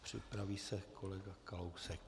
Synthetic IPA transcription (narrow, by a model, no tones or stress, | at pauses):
pr̝̥ɪ̰pɾaviːsɛkʰolɛɡakalowsɛk̚